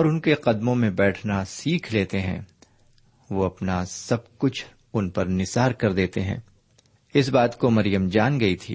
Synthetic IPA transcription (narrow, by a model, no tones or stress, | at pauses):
ɔːɾʊnkeqɐd̪mõmẽbɛːʈʰnasiːkʰleːt̪eɦɛ̰̃ː | ʋoɐpnasɐb̚kʊt͡ʃʰ | ʊnpɐɾnɪsaːɾkɐɾd̪eːt̪eɦɛ̰̃ː | ɪs̬baːt̪komɐɾjəmd͡ʒaːnɡɐit̪ʰḭː